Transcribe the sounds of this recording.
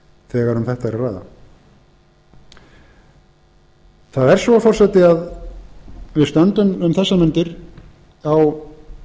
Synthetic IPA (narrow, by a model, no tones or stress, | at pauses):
θɛːɣaɾʏmθɛht̪aɛɾaraːjða̰ | θaðɛɾ̥svɔfɔrsɛt̪ɪað | vɪðst̪œnt̪ʏmʏmθɛsːamʏnt̪ɪɾ | aw